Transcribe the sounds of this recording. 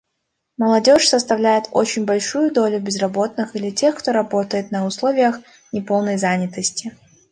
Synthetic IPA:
məlˠɐdʲo̞ʂsəst̪ɐvlʲæjɪt̪o̞̰t͡ɕɪnʲbɐlʲʂujʊd̪o̞lʲʊbʲɪzrɐbo̞t̪̚nɨxilʲɪtʲe̞xkt̪o̞ɾɐbo̞t̪əjɪt̪nəʊslˠo̞vʲɪjəx | nʲɪpo̞lˠnəjzanʲɪt̪əsʲtʲɪ

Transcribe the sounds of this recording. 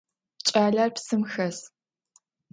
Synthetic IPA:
t͡ʃʼaːɮarpsɨmxɐs

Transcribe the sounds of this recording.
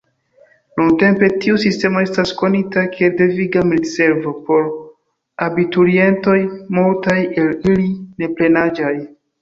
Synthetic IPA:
nunte̞mpe̞tiusiste̞mo̞e̞stasko̞nitakielde̞viɡamilze̞ɾvo̞po̞ɾ | abituɾie̞nto̞jmultaje̞liline̞ple̞nad͡ʒaj

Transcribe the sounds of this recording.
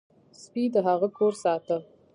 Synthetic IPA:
spid̪əɦaɣəkʰoɾsɑt̪ə

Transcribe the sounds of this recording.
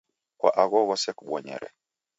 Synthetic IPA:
kwa̰ʔaɣɔɣɔsɛkuɓwɔɲɛ̰ɾɛ̰

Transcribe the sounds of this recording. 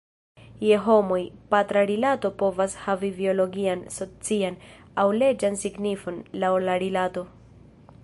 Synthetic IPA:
jeɦo̞mojpatɾaɾilato̞po̞vashavivio̞lo̞ɡianso̞t͡sian | awle̞d͡ʒansiɡnifo̞nlawlaɾilato̞

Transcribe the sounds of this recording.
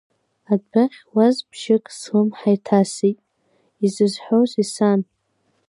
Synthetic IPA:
adbaχʲwazbʰʃɪkʼsχɨmħajtʰasitʼ | izɨzħowzisan

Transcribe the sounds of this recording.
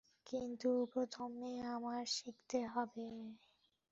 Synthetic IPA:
kint̪upɾot̪ʰomːeamaɾʃikt̪eɦɔbe

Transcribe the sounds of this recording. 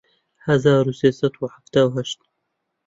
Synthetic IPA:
hazaːɾuseːsat̪wħaft̪aːwɦaʃt̪

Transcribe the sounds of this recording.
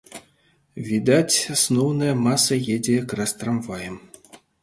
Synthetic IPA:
vʲid̪atʲsnuwnɤmɑsːɤ̆jedʲekrast̪ramvɑjə̆m

